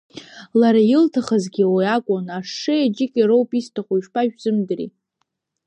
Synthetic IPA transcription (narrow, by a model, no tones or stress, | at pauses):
laɾajɪltʰaχazɡʲiwijakʷʼʊnaʂɨad͡ʒɪkʲʼiɾowpʼistʰaχʷuʃpʰaʒᶣzɨmdɨrḭ